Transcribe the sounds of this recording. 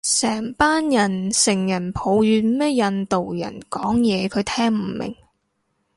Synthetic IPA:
sɛː˨˩ŋpaː˥njɐ˨˩nsɪ˨˩ŋjɐ˨˩npʰo˨˧wjyː˨˧nmɛː˥jɐ˧nt̪o˨wjɐ̰˨˩nkɔː˨˥ŋjɛː˨˧kʰɵ˨˧ɥt̪ʰɛː˥ŋm̩˨˩mɪ̰˨˩ŋ

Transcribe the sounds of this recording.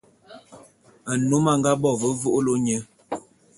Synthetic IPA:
ə˨no˨˦ma˨ŋɡa˦bɔ˦˨və˦vu˦ʔlo˦ɲə˦

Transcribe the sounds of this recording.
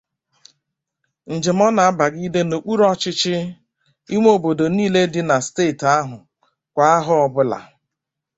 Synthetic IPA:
n̩˨d͡ʒɪ˨m˦ɔ˦na˨a˦ba˨ɡi˦de˦no˨k͡pu˦ɾɔ˦t͡ʃɪ˦t͡ʃɪ˦ | i˦ŋʷ˦o˨bo˨do˨niː˦le˦dɪ˦na˨steː˦˨ta˦ɦʊ˨ | kʷa˨a˦ɦʊ˦ɔ˦bʊ˦la̰˨

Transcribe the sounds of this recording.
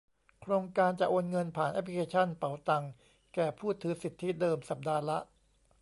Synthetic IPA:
kʰɾoː˧ŋkaː˧nt͡ɕa˨˩ʔoː˧nŋɤ˧npʰaː˨˩nʔɛ˦˥pʰli˦˥kʰeː˧t͡ɕʰa˥˩npa˨˩˦wt̪a˧ŋ | kɛː˨˩pʰuː˥˩t̪ʰɯː˩˦si˨˩t̪ʰːi˦˥dɤː˧msa˨˩p̚daː˧la̰˦˥ʔ

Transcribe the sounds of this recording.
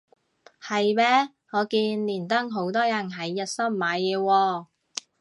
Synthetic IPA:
hɐ˨jmɛː˥ | ŋɔː˨˧kiː˧nliː˨˩nt̪ɐ˥ŋɦo˨˥wt̪ɔː˥jɐ˨˩nɦɐ˨˧jːɐ˨t̚sɐ˥mːaː˨˧jɛː˨˧wɔː˧

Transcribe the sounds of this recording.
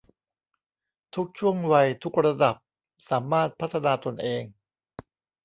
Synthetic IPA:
t̪ʰu˦˥k̚t͡ɕʰu˥˩əŋwa˧jt̪ʰu˦˥k̚ɾa˧da˨˩p̚ | saː˩˦maː˥˩t̪̚pʰa˦˥t̪ʰːa˧naː˧t̪o˧nʔeː˧ŋ

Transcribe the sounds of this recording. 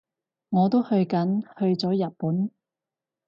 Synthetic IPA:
ŋɔː˨˧t̪o˥whɵ˧ɥkɐ˨˥nhɵ˧ɥt͡sɔː˨˥jɐ˨t̚puː˨˥n

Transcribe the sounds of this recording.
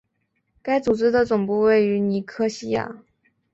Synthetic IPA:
ka˥ɪt͡su˨˩ʈ͡ʂɻ̩˥d̪ə˨t͡sʊ˨˩ŋpu˥˧we˥˩ɪy˧˥ni˧˥kʰɤ˥ɕi˥ja̰˥˩

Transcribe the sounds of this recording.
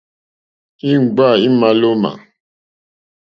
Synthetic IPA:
i˦ŋ͡m̩˨ɡ͡ba˦˨i˦ma˨lo˦ma̰˨

